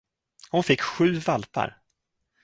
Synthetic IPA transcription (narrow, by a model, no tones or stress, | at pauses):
hʊnfɪkːɧʉ̟ːvalpa̰ɾ